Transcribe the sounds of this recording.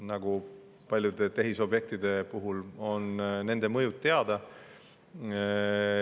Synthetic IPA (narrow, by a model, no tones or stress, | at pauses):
nɑɡ̥u | pɑlʲjud̪e̞t̪e̞ɦiso̞bje̞k̚t̪id̪e̞puɦulo̞nne̞nd̪e̞mɤjut̪ːe̞ɑd̪̥ɑ